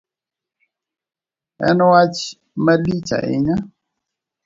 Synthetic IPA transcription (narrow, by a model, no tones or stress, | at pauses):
ɛ̰nɔwat͡ʃ | malit͡ʃa̰ʔḛɲa